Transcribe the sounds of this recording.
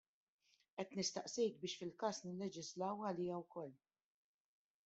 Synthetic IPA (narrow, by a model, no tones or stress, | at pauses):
ʔɛt̪nɪst̪ɐʔsɛjt̪̚bɪːʃfɪlkɐːsnɪlːɛd͡ʒɪzlɐwɐliːɐwkɔlː